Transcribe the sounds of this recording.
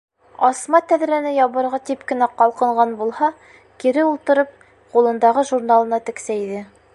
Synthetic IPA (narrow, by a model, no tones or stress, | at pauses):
ɒsmɑt̪æðɾænɘjɑβɤ̆ɾʁɑt̪ipkɘ̆næqɑlˠqɤ̆ɴʁɑnbulˠhɑ | kiɾɘulˠt̪ɤ̆ɾɤp̚ | qulˠɤ̆nd̪ɑʁɤʒuɾnalˠɤ̆nɑt̪ɘ̆ksæiðɘ